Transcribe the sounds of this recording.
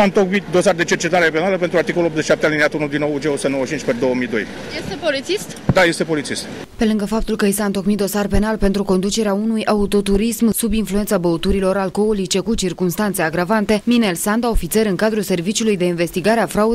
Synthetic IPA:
aɨnt̪o̞kmit̪̚d̪o̞sard̪e̞t͡ʃert͡ʃe̞t̪aɾepe̞naləpe̞nt̪ɾuart̪ikolulotzet͡ʃʃiʃap̚t̪ealineat̪unud̪inod͡ʒeost̪enowət͡ʃint͡ʃʲped̪o̞wəmid̪o̞̰j | jest̪epolit̪sist̪d̪aje̞st̪e̞po̞lit̪sist̪ | pe̞lɨŋɡəfap̚t̪ulkəisaɨnt̪o̞kmit̪d̪osarpe̞nalpe̞nt̪ɾuko̞nd̪ut͡ʃe̞ɾeaunujaut̪o̞t̪uɾismsubinflue̞nt̪sabəut̪uɾilo̞ɾalko̞olit͡ʃe̞kut͡ʃirkumst̪ant̪se̞aɡɾavant̪e̞minelsand̪aofit̪se̞ɾɨŋkad̪ɾulse̞rvit͡ʃiulujd̪e̞inve̞st̪iɡaɾeafɾaud̪

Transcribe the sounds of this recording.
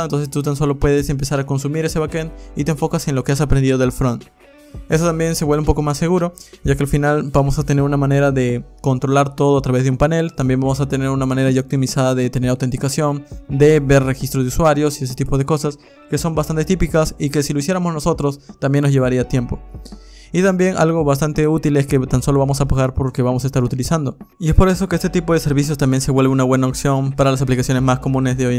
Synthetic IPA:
nt̪o̞nsest̪ut̪anso̞lo̞pwe̞ðe̞se̞mpe̞saɾakonsumiɾe̞se̞βakent̪it̪eɱfo̞kase̞nlo̞keasapɾend̪iðoðe̞lfɾon | e̞sot̪ambje̞nseβweleumpo̞ko̞masːe̞ɣuɾo̞ʝakealfinalbamo̞sat̪ene̞ɾunamãne̞ɾaðe̞ko̞nt̪ɾo̞laɾt̪o̞ðoat̪ɾaβezðeumpane̞lt̪ambje̞mbamo̞sat̪ene̞ɾunamãne̞ɾaʝaok̚t̪imisaðaðe̞t̪ene̞ɾawt̪e̞nt̪ikasjo̞nd̪e̞βe̞ɾre̞xist̪ɾoðeuswaɾjo̞sies̬et̪ipo̞ðe̞ko̞sas | ke̞so̞mbast̪ant̪e̞t̪ipikasike̞siloisje̞ɾamozno̞so̞t̪ɾo̞st̪ambje̞nːo̞zʝe̞βaɾiat̪je̞mpo̞ | it̪ambje̞nʔa̰lɣo̞βast̪ant̪e̞ut̪ile̞ske̞t̪anso̞lo̞βamo̞sapaɣaɾpo̞ɾkeβamos̬aest̪aɾut̪ilisand̪o̞ie̞spo̞ɾe̞so̞ke̞est̪et̪ipo̞ðese̞ɾβis̬jo̞st̪ambje̞nse̞βwe̞lβunaβwe̞naoksjo̞npaɾalas̬aplikasjo̞ne̞zmasko̞mũne̞zðeoj

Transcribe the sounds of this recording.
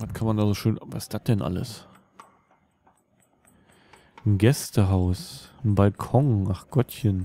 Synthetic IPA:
vatkʰanmandaːzoːʃøːnvaɪsd̥at̚d̥ɛnʔa̰lə̰s | n̩ɡɛstəɦaʊsn̩balkʰɔŋʔaχɡ̥ɔtçən

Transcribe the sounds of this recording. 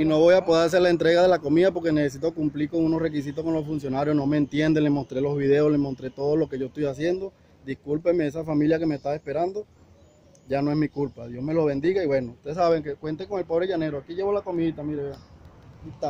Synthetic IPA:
ino̞βo̞japoðeɾas̬eɾlae̞nt̪ɾe̞ɣaðe̞lako̞miðapo̞ɾke̞neses̬it̪o̞kumpliɾko̞ŋuno̞sre̞k̬is̬it̪osko̞nlo̞sfunsjo̞naɾjo̞sno̞me̞ːnt̪je̞nd̪ele̞mo̞st̪ɾe̞lo̞zβiðe̞osle̞mont̪ɾe̞t̪o̞ðolo̞ke̞ʝoest̪ojasje̞nd̪o̞ | d̪ihkulpe̞meesafamiljake̞mest̪ae̞spe̞ɾand̪o̞ | ʝanoe̞smikulpaðjo̞sme̞lo̞βe̞nd̪iɣaiβwe̞nout̪eesaβe̞ŋkekwe̞nt̪eko̞ŋe̞lpo̞βɾe̞ʝaneɾoakiʝe̞βolako̞mit̪amiɾeait̪a

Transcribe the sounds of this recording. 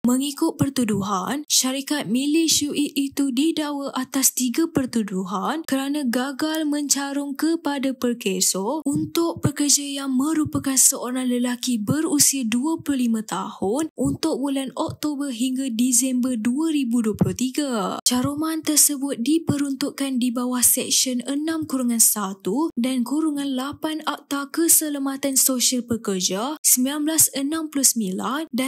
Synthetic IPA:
mə̃ŋikʊt̪̚pərt̪uduɦa̰nʃaɾikat̪̚mĩlesuʔiit̪udidawaʔat̪ast̪iɡapərt̪uduɦankəɾanãɡaɡalmə̃ɲt͡ʃaɾʊŋkəpadapərkesɔunt̪ʊʔ̚pərkərd͡ʒajaŋmə̃ɾupakansəʔoɾaŋləlakibəɾusiaduaplʊlimãt̪ahʊnʔunt̪ʊk̚bulanɔk̚t̪obərɦiŋɡadisɛmbərduaɾibuduəplʊht̪iɡat͡ʃaɾomant̪ərsəbʊt̪̚dipəɾunt̪uʔkandibawahsɛk̚ʃənənãmkuɾuŋãnsat̪udankuɾuŋãnlapanaʔ̚t̪akəsələmat̪ansoʃalpəkərd͡ʒasəmbilanblasənãmplʊsəmilanda

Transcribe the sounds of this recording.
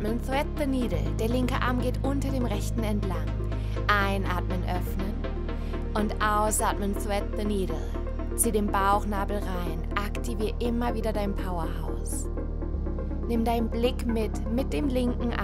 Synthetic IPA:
mənθɛt̚ðəniːdl̩d̥eːɐlɪŋkəʔaɐmɡeːtʔʊntɐdeːmʁɛçtn̩ɛntlaŋ | ʔaɪnʔaːtmənʔœfnən | ʔʊntʔaʊsʔaːtmənθuɛt̚ðəniːdl̩ | t͡siːdeːmbaʊxnaːbl̩ʁaɪnʔaktʰiviːɐʔɪmɐviːdɐdaɪnpʰaʊɐha̰ʊs | nɪmdaɪnnblɪkmɪt | mɪt̚d̥eːmlɪŋkŋ̩ʔa

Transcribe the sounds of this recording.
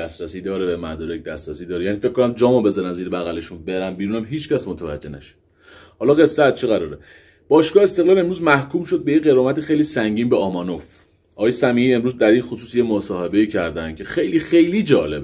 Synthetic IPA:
æsɾæsiːd̪ɒːɾebemæd̪ɒːɾec̚ʰd̪æsɾæsiːd̪ɒːɾejæniːfec̚ʰkːonæmd͡ʒɒːmobe̞zɒɾænziːɾebæɣæle̞ʃunbe̞ɾænbiːɾunæmɦiːt͡ʃcæsmot̪ʰævæ̰d͡ʒːe̞næ̰ʃe̥ | hɒːlɒɣe̞sːææzt͡ʃʰeɣæɾɒːɾe | b̥ɒːʃɡɒːhest̪e̞ɣlɒːle̞mɾuːzmæhkʰuːmʃo̞d̪̚be̞jeɣe̞ɾɒːmæt̪ixe̞jliːsæŋɟiːnbeɒːmɒnof | ʔɒːɣːjesæmiːiːe̞mɾuːzd̪æɾinxosuːsjemosɒːhe̞be̞iːcʰæɾd̪ænd̪̥cʲʰe̞xe̞jliːxejlid͡ʒɒːle̞b

